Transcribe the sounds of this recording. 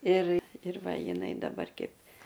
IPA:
ɪr ɪr ˈʋɐ jɪˈnɐɪ dɐˈbɐr ˈkʲɛɪp

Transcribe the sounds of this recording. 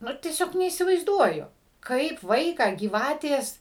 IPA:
ˈnʊ tʲiɛˈsʲoːk nʲɛiːsʲɪʋɐɪzˈduɔjʊ ˈkɐɪp ˈʋɐɪkɑː ɡʲiːˈʋɑːtʲeːs

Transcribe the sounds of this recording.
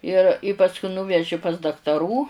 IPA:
ɪr ɪ ˈpɑːskʊ nuːˈʋʲæːʒʲɪ pɐs dɐktɐˈruː

